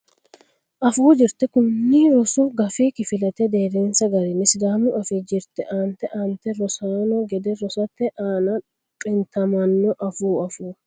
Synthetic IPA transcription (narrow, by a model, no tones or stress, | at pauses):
ʔɐfuːd͡ʒɪɾt̪ɛkʊnːɪɾɔsuːɡɐfiːkɪfɪlɐt̪ɛd̪eːɾeːnsɐɡɐɾɛnɪsd̪aːmʊʔɐfɪd͡ʒɪɾt̪ɛʔaːnt̪ɛʔaːnt̪ɛɾɔsaːnɔɡɛd̪ɛɾɔsɐt̪ːɛʔaːnɐ | kʼɪnt̪ɐmɐnːɔʔɐfuːɐfuː